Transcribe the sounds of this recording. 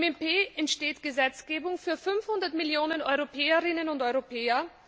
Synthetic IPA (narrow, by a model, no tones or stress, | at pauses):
mɛmpeːɛntʃteːtɡ̥əzɛt͡sɡ̥eːbʊŋfyːɐfʏnfhʊndɐtmɪljoːnənɔ̰ʏʁopʰɛːɐʁɪnənʊntɔʏʁopʰɛːɐ